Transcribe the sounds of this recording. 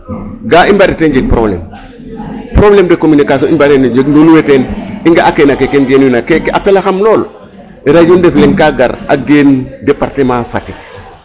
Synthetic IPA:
ɡaimbaɾetend͡ʒeɡ̚pɾo̰blḛm | pɾoblemdekominikasonimbaɾend͡ʒeɡnoluweteniŋɡaʔakenakekenɡenwinakekafelaxamloːl | ɾaɟondefleŋkaɡa̰ɾa̰ɡendepaɾtemafatit

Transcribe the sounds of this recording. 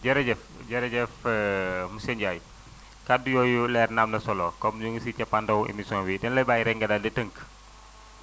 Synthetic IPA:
ɟɛɾɛɟɛf | ɟɛɾɛɟɛf | musɛɲɟaːj | kadujɔːjulɛːrnamnɐsɔlɔkɔmd͡ʒuŋɡsicɐpːandɐwḛmisɔːnwidɛnlɐjbaːjɾɛŋɡɐdadɛtəŋk

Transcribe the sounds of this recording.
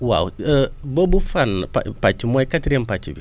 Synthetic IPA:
wa̰wəbobufanːpa̰pat͡ʃːimojkatɾempat͡ʃːḭbḭ

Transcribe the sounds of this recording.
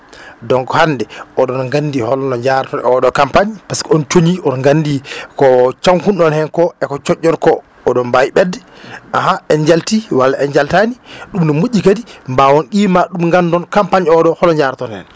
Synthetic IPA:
dɔŋkɔhanːdɛɔɗɔnŋɡanːdihɔlnɔɲd͡ʒaɾtɔnɔɗɔkampaɲpaskɔɔnt͡ʃoɲiɔnɔŋɡanːdikɔt͡ʃaŋkunɗɔnhɛnkɔɛkɔt͡ʃɔʔːɔɾkɔː | ɗɔnbajɓɛdːɛʔahaɛnd͡ʒaltiwalːaʔɛnd͡ʒaltaniɗumnɔmuʔːikadimbawɔnkiːmaɗumŋɡandɔnkampaɲɔɗɔhɔlɔɲd͡ʒaɾtɔnhɛ̰n

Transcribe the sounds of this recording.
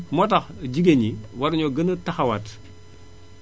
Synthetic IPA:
mɔtɐxɟiɡeɲiwɐɾɲɔɡɐnɐtɐxɐwat

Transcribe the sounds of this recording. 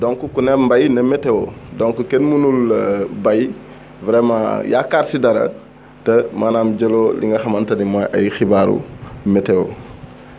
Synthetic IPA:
dɔŋkukunɛmbajnɐmɛtɛwo̰dɔŋkukenmunulbɐj | vɾɛmãja̰kaːɾsidɐɾɐ̰ | tɐmaːnaːmɟɐlolḭŋɡɐxɐmɐntɐnimɔːjɐ̰jxibaːɾṵmɛtɛwo̰

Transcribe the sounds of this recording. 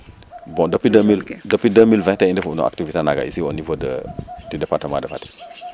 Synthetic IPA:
bɔ̃dəpidəmildəpidəmilvɛ̃tɛ̃indefuunɔ̰ʔa̰ktivitenaɡa̰ḭsionivodə̰didepaɾtəmã̰dəfati̥

